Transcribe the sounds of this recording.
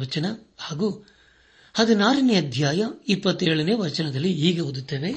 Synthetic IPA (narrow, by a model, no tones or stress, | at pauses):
ɐt͡ʃɐnɐhaːɡuː | hɐd̪inaːɾɐneːɐd̪ʱjaːjɐipːɐt̪ːeːɭɐneːʋɐt͡ʃɐnɐd̪ɐlːiɦiːɡɐɦod̪ut̪ːɐːʋe̞